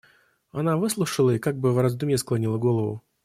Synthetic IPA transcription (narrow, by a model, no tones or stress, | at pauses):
ɐnavɨslˠʊʂəlˠəikaɡ̚bɨvrɐzd̪umʲesklˠɐnʲilˠəɡolˠəvʊ̰